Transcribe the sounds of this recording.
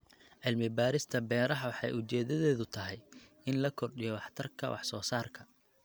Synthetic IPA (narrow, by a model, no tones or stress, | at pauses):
ʕɪlmɪbaːɾɪst̪ʰɐbɛːɾɐɦɐwɑħɑ̰jʔʊt͡ʃɛːðɐðɛːðʊt̪ʰɐɦɛj | ɪnlɐkʰɔrɗɪjɔwɑħt̪ʰɐrkʰɐ̰wɑ̰ħsɔ̰ːsaːrkʰɐ